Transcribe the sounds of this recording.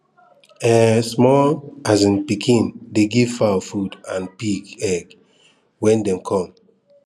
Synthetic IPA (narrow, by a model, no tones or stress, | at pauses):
ɛsmɔlazĩnpikʰĩndeɡiv̥fafudãnpiɡɛɡ | wɛ̃ndɛ̃mkʰɔ̃m